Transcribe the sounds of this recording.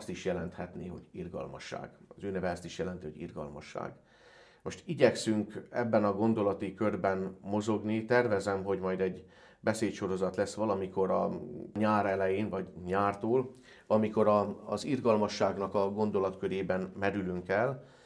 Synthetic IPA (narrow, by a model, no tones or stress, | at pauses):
st̪iʃjɛlɛnt̪hɛt̪neːɦo̞̰ɟirɡɒ̰lmɒ̰ʃːa̰ːɡ̥ɒzøːnɛvɛɛst̪iʃjɛlɛnt̪iho̞ɟḭrɡɒ̰lmɒ̰ʃːa̰ːɡ | mo̞ʃt̪iɟɛksyŋkɛbːɛnɒɡo̞nd̪o̞lɒt̪ikø̞rbɛnmo̞zo̞ɡnit̪ɛrvɛzɛmɦo̞ɟmɒjd̪ɛɟ | bɛseːt̪ʃo̞ɾo̞zɒt̪lɛsʋɒlɒmiko̞ɾɒ̰ɲaːɾɛlɛjeːnvɒɟɲaːrt̪oːl | ɒmiko̞ɾɒːzirɡɒlmɒʃːaːɡnɒkɒɡo̞nd̪o̞lɒt̪kø̞ɾeːbɛnmɛɾylyŋkɛl